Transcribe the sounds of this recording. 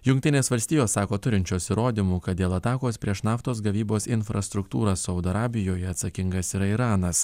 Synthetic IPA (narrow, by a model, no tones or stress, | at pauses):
jʊŋk̚ʲt̪ʲɪnʲeːsʋɐlʲsʲt̪ʲiːjoːsːɑːkoːt̪ʊɾʲɪnʲt͡ʃʲuːɐsʲɪɾoːd̪ʲimuːkɐt̪̚d̪ʲeːlˠɐt̪ɑːkoːspʲɾʲiɛʃnɑːft̪oːs̬ɡɐʋʲiːboːsɪnfɾʔɐst̪ɾʊkt̪uːɾɐsɒʊd̪ɐɾɑːbʲɪjoːjɛɐt̪sɐkʲɪŋɡɐsiɾɐiɾɑːnɐs